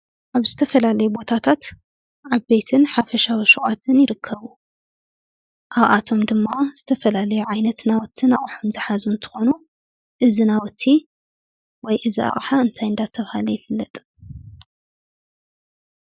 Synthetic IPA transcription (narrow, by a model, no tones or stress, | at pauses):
ʔaβzɨt̪ʰɐfɐlalɐjubo̞t̪ʰat̪ʰat̪ | ʔaβbet̪ʰɨnħafɐʃawiʃɨχʼat̪ʰɨnjɪɾɨkʰːɐβu | ʔaβʔat̪ʰo̞md̪ɨmːaz̥ɨt̪ʰɐfɐlalɐjuʕajnɐt̪nawɔt̪ʰːɨnaχʼħonzɨħazunt̪ʰɨ̥xo̞nu | ʔɨzinawɔt̪ʰːi | wɔjʔɨziʔa̰χʼħaɨnt̪ʰajɨnd̪at̪ʰɐβhalɐjɪfɨlːɐt̪ʼ